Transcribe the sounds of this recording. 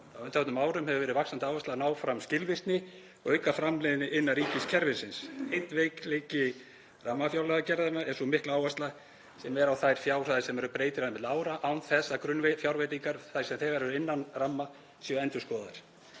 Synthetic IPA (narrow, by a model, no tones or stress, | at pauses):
awʏnt̪avɛt̪ʏmaːwɾʏmhɛvʏvɛːɾɪvaksant̪ɪaːwvast̪lanaːwfɾamscɪlvɪst̪nɪ | ɔ̰ɣœjkafɾamlejðɪnɪʔɪnːaɾiːcɪscʰɛɾvɪ̥sɪnsejn̥t̪vejklejcɪ | ramːafjawlaɣacɛɾðamaɛnsɔmɪhklaːwvast̪la | sɛmɛɾawθajɾ̥fjaːwr̥aðɪsɛmɛɾʏpɾeːjt̪ɪɾaðmɛðlaːwɾaʔawnθɛsːakɾʏnvfjawɾvejt̪iŋkaɾθaj̥sɛmθɛɣaɾvɛɾɪnːanramːa | sjœɛnt̪ʏskɔːðaɪɾ̥